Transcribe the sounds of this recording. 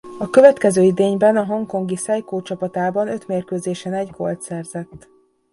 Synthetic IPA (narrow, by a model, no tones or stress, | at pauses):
ɒkøvɛt̪kɛzøːid̪eːɲbɛnɒɦo̞ŋko̞ŋɡisɛjkoːt͡ʃɒpɒt̪aːbɒnø̞t̪meːrkøːzeːʃɛnɛɟkʰo̞̰lt̪sɛrzɛt̪ː